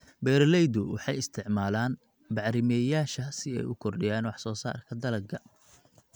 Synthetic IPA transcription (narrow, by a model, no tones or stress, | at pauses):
bɛːɾlɛjd̪ʊwɑ̰ħɑjɪst̪ʰɪʕmaːlaːn | bɑʕɾɪmɛːjaːʃɐsɪɛ̰jʊkʰɔrɖɪjaːnwɑħsɔːsa̰ːrkʰɐd̪ɐlɐɡʰɐ